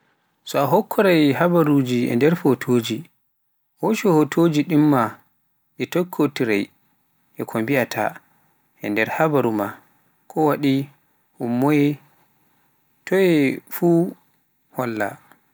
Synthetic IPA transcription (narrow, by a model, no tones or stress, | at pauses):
sɔaɦɔkʰːɔɾajhabaɾud͡ʒiʔɛ̰ndɛɾfotʰoːd͡ʒi | hoʃɔhotʰod͡ʒiɗimːa | ɗɛtokʰːotiɾa̰j | ʔɛkʰombiatʰa̰ | ʔɛndɛɾhabaɾuma | kʰɔwaɗi | humːɔjɛ | tɔjɛfu | hɔlːa̰